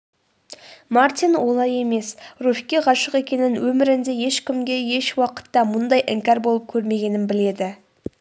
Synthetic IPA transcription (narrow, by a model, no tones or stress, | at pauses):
mart̪ʲinwo̞lˠɑje̞me̞srufkʲːeʁɑʃəqe̞kʲe̞nɪnwɵmɪɾɪnd̪e̞je̞ʃkʲɪmɡʲe̞je̞ʃwɑqə̥t̪ːɑmʊnd̪ɑjʔɪŋkʲɑɾbo̞lˠəp̚kʲʰɵɾme̞ɡʲe̞nɪnbɪle̞d̪ɪ